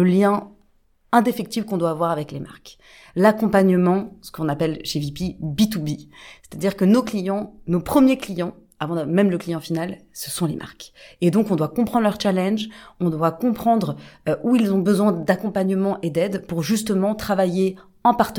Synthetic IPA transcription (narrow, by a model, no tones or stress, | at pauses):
ləljɛ̃ | ɛ̃d̪efɛk̚t̪ifkɔ̃d̪waːvwaʁavɛklema̰ʁk | lakɔ̃paɲəmɑ̃sə̥kɔ̃napɛlʃevipibit̪ubise̥t̪ad̪iʁkənoklijɑ̃nopχəmjeklijɑ̃ | avɑ̃d̪mɛmləklijɑ̃finalsə̥sɔ̃lemʔa̰ʁked̪ɔ̃kɔ̃d̪wakɔ̃pχɑ̃d̪ʁlœʁt͡ʃalɛ̃nʒɔ̃d̪wakɔ̃pχɑ̃d̪ʁʔuilzɔ̃bəzwɛ̃d̪akɔ̃paɲəmɑ̃ʔed̪ɛd̪puʁʒyst̪əmɑ̃t̪χavaje | ɑ̃paʁt̪ə